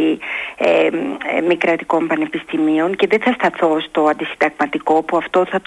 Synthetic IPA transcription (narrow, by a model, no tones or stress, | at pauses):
iemikɾɐt̪iko̞mpɐne̞pist̪imio̞ŋce̞ðe̞θɐst̪ɐθo̞st̪o̞ɐnd̪isind̪ɐɣmɐt̪iko̞puɐft̪o̞θɐt̪